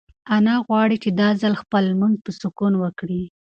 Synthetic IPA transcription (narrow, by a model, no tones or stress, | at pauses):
anɑɣwɑɽit͡ʃed̪ɑzalxpəlmund̪̚pəsʊkunwəkɽi